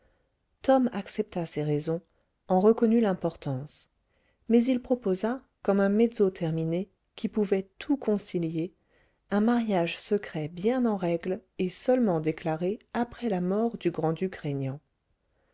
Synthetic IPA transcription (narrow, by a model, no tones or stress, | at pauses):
t̪ɔmaksɛp̚t̪aseʁezɔ̃ | ɑ̃ʁəkɔnylɛ̃pɔʁt̪ɑ̃s | mɛzilpχɔpoza | kɔmɛ̃med̪zot̪ʰɛʁmine | kʲʰipuvɛt̪ʰukʰɔ̃silje | ɛ̃maʁjaʒsəkχɛbjɛ̃nɑ̃ʁɛɡlesœlmɑ̃d̪eklaʁeapχɛlamɔʁd̪yɡʁɑ̃d̪ykʁeɲjɑ̃